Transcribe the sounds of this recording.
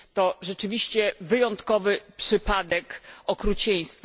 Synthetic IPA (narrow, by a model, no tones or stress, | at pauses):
t̪ɔʐɛt͡ʂɘvʲiɕt͡ɕɛvɘjɔnt̪kɔvɘpʂɘpad̪ɛkɔkɾut͡ɕɛj̃st̪f